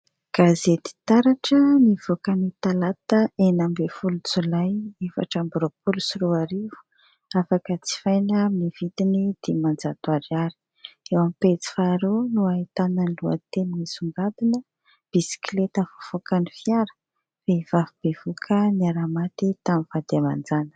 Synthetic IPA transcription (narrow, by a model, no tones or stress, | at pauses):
ɡ̥azet̪i̥t̪aɾaʈ͡ʂəniv̥okanit̪alat̪əenambefulut͡sulajefa̰ʈ͡ʂambɾopulusiɾuaɾivu̥ | afakət͡si̥fajnəmivit̪inid̪̥imand͡zad̪waɾiaɾi̥ | ewampet͡si̥faɾonuait̪ananlua̰t̪eninisuŋɡad̪inə | b̥isi̥klet̪əfu̥v̥okanifjaɾə̥ | vev̥avub̥evokʰəniaɾamat̪it̪amivad̪̥iama̰nd͡zanə̥